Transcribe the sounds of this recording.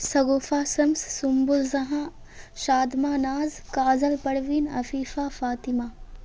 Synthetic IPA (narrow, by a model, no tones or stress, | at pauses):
sɐɡoːfaːsɐmsːʊmbʊlzɐɦãː | ʃaːd̪maːnaːzkaːzɐlpɐɽʋinɐ̰fiːfaːfaːt̪ɪmaː